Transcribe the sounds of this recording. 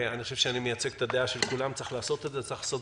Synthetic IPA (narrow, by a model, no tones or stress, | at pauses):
anixoʃevʃeanimejat͡seɡt̪ad̪eaʃelkulamt͡siχlaːso̞t̪e̞dzet͡saiχlaːso̞t